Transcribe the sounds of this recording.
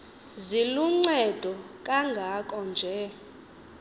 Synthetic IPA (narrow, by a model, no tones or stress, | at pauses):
ziluŋ͡ǀɛd̥ʱɔ | kʼaŋɡʱakʼɔnd͡ʒʱɛ